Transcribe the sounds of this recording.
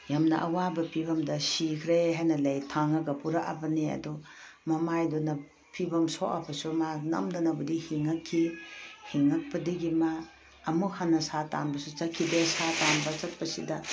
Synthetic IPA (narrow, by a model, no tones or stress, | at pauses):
jamnɐ̰ʔɐwabɐpʰibɐmdɐsikʰɾeɦajnɐlɐjtʰaŋɐɡɐpuɾaʔa̰bɐneɐ̰du | mɐmajdunɐ | pʰibɐmsoʔɐpʰɐsumanɐ̰mdɐnɐbudihiŋɐkʰːihiŋɐk̚pɐdiɡimaː | muhanːɐsata̰nbɐsut͡ʃɐkʰːidesatanbɐt͡ʃɐt̚pɐsidɐ